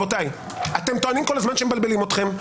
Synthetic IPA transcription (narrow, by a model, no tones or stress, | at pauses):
otaj | ate̞mt̪oanimko̞lazmanʃemebalbelimo̞t̪χe̞m